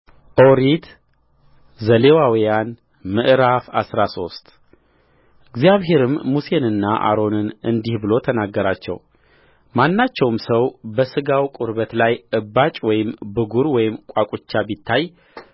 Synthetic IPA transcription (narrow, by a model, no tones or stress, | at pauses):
ʔo̞ɾit̪ | zəlewawjan | mɨʔɾafasɾaso̞̰st̪ʼ | ɨɡzjaβɦe̞ɾɨmːuse̞nɨnːaʔa̰ɾo̞nɨnɨnd̪ihbɨlo̞t̪ʰənaɡːəɾat͡ʃːɛ̰w | manːat͡ʃːɛwmsəwbəsɨɡawkʼuɾbət̪lajɨbːat͡ʃʼwɔjɪmbɨɡuɾwɔjɪmkʷʼakʼut͡ʃːabit̪ʰːaj